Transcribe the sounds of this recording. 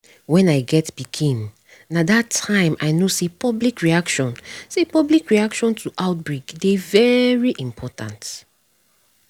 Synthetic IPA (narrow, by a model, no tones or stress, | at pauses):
wɛ̃naɪɡɛtb̥ikʰĩnː | adatʰːãɪ̃mʔa̰ɪnosepʰɔblikɹiakʃɔ̃nsepɔblikɹiakʃɔ̃ntʰuʔaʊt̚bɹekdevɛɹiʔĩmpʰɔtã̰nt